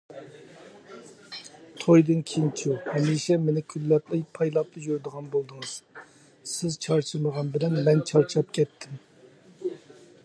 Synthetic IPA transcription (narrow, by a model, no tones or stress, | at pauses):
t̪ʰojd̪ɨnkʲʰint͡ʃʰuhɛmiʃɛmenɪkʲʰylːɛt̪lˠɨjpʰɑjlˠɑp̚t̪ɨjyɾd̪əʁɑnbolˠd̪ɨŋɨz̥ | sɪzt͡ʃʰɑɾt͡ʃʰɨməʁɑnbɪlɛnmɛnt͡ʃʰɑɾt͡ʃʰɑp̚kʲʰɛt̪ʰːɪm